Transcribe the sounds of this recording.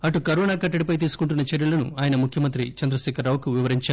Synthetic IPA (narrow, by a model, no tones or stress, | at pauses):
ɐʈukɐɾɔːnaːkɐʈːɐɽipɐjt̪̬iːsu̥kuɳʈ̬unːɐt͡ʃeɾjulɐnṵaːjɐnɐmukʰjɐmɐnt̪ɾit͡ʃɐnd̪ɾɐʃɛːkɐɾːɐːwkuʋiʋɐɾiɲt͡ʃaː